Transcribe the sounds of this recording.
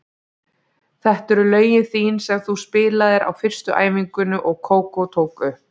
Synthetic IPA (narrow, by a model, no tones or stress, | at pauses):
θɛht̪ɛɾʏlœːɥjɪθiːnsɛɣθuspɪːlaðɪɾʔa̰wfɪr̥st̪ʏʔa̰ːjmiŋkʏnʏʔɔɣkʰoːwkowt̪ʰoːwkʏ